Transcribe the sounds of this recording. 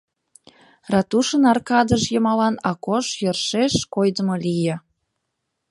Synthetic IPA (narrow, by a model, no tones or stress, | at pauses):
rɑt̪uʃənɑrkɑd̪əʃjəmɑlɑnɑkoʃjərʃeʃkojd̪əmolijə̆